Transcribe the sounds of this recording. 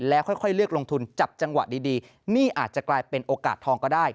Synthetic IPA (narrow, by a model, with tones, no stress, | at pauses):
lɛː˦˥wxʰɔ˥˩jkʰɔ˥˩jlɯ˥˩ək̚lo˧ŋt̪ʰu˧nt͡ɕa˨˩p̚t͡ɕa˧ŋwa̰˨˩diː˧diː˧ | niː˥˩ʔaː˨˩t̪̚t͡ɕa˨˩klaː˧jpe˧nʔoː˧ka̰ː˨˩t̪ʰɔː˧ŋkɔː˥˩daː˥˩j